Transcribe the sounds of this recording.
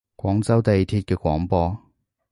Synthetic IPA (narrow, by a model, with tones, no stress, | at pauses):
kʷwɔː˨˥ŋt͡sɐ˥wt̪ɐ˨ji˨t̪ʰiː˧t̚kɛː˧kʷɔː˨˥ŋpɔː˧